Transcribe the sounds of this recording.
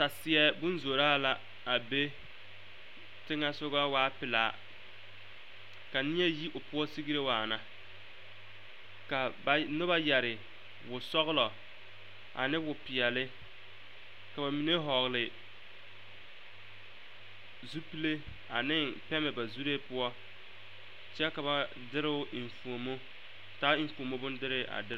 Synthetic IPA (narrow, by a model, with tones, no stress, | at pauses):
ta˨sɪ˨ɛ˦bʊ˦n˦zo˨ɾa˦a˦la˨ | a˨be˦ | tɪ˦ŋa˦sʊ˦ɣa˦waː˦pɪ˨la̰ː˨˦˨ | ka˨nɪ˦ɛ˦ji˦ʔʊ˨pʊ˦ɔ˦si˦ɡi˦ɾe˦waː˨na˨ | ka˨bnʊ˦ba˦jɛ˨ɾɪ˨ | wʊ˨sɔ˦ɣlɔ˨ | ʔa̰˨nɪ˦wʊ˨pɪ˨ɛ˨lɪ˦ | ka˨ba˨mi˨ne˦ɦɔ˨ɣlɪ˨ | zu˦pi˦le˦ | a˨nɪ˦pɛ˦mɛ˨ba˨zu˦ɾeː˦pʊ˦ɔ˦ | t͡ʃɛ˦ka˨ba˨ | dɪ˦ɾɪ˦ʊ˦ʔi˨ɱ˨fu˨o˨mo˦ | taː˦i˦ɱ˦fu˨o˨mo˦bʊ˦ndɪ˦ɾɪ˦ʔa̰˨dɪ˦